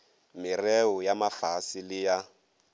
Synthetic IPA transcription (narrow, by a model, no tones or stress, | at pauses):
mɪrɛʊjamafasɪlɪja